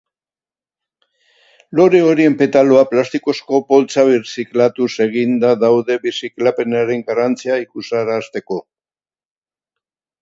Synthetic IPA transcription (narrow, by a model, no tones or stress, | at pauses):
lo̞ɾe̞o̞ɾie̞mpe̞t̪alo̞aplast̪iko̞sko̞po̞lt͡saβiɾsiklat̪use̞ɣ̞ind̪aðawðe̞βisiklape̞naɾe̞ŋɡarant͡siaikusaɾast̪e̞ko̞